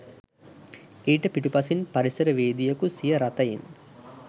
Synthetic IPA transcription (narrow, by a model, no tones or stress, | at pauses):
eːʈəpiʈupɐsinpɐɾisɐɾəʋeːd̪ijəkusijəɾat̪ɐjḭn